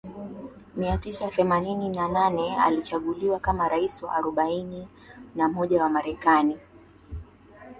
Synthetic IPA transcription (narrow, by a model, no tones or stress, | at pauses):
miatisaθɛmanininananɛa̰lit͡ʃaɠuliwakamaɾaisiwa̰ʔːɾɔɓaini | nam̩ɔʄawamaɾɛkani